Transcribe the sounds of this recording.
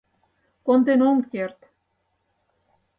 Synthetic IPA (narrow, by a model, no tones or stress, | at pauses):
kond̪enoŋkert̪